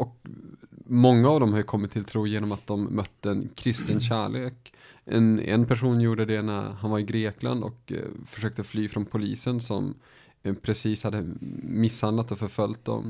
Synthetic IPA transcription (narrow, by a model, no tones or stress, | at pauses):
ʔɔk | mɔŋːaːvd̪ɔmhaɾjɵkʰɔmːɪt̪ʰːɪlt̪ʰɾuːjeːnɔmat̪̚d̪ɔmːœt̪ːəɛnkʰɾɪst̪ənɕæːɭeːk | ʔɛ̰nɛ̰npʰæʂuːnjuːɖəd̪ɛnæ̰ɾhanvaɾɪɡɾeːkla̰nd̪ɔ̰kfœʂøːk̚t̪əflyːfɾɔnpʰʊliːsənsɔ̰m | pʰɾɛsiːshad̪ːəmɪshand̪lat̪ɔfœɾfœlt̪̚d̪ɔ̰m